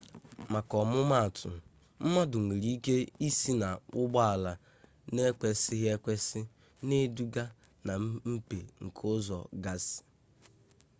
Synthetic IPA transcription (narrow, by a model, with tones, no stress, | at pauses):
ma˨kɔ˨mʊ˦ma˦a˨tʰʊ̰˨ | m̩˦ma˦dʊ˨ŋʷi˨ɾi˦i˦ke˦i˦si˦na˨ʊ˦ɡ͡ba˦a˨la˨ | ne˦kʷe˨sɪ˦ɦe˦kʷe˦sɪ˦ | ne˦du˦ɡa˦ | na˨m˦m̩˦pe˨ŋ̩˨kʰʊ˦zɔ̰˨ɡa˦sɪ̥˨